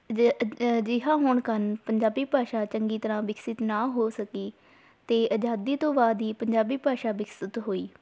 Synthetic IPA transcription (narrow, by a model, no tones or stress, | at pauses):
d͡ʒɪɦãːɦoːɳkənpəɲd͡ʒaːbiːpaːʃaːt͡ʃəŋɡiːt̪əɾãːʋɪksɪt̪naːɦoːsəkiː | t̪eːʔəd͡ʒaːd̪iːt̪õːbaːd̪iːpəɲd͡ʒaːbiːpaːʃaːʋɪksɪt̪ɦoːiː